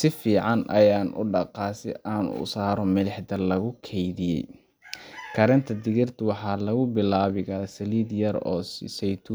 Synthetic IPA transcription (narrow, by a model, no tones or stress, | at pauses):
sɪfiːʕɑnɐ̰jaːnʔʊ̰ɖɑqɑːsɪ̰ʔaːnʊ̰saːɾɔmɪlɪħd̪ɐlɐɣʊkʰɛjðɪjɛ̰j | kʰɐɾɛnt̪ʰɐd̪ɪɣɪrt̪ʰʊwɑħɑːlɐɣʊbɪlaːβɪɣaːsɐliːd̪jɐɾɔːsɛjt̪ʰu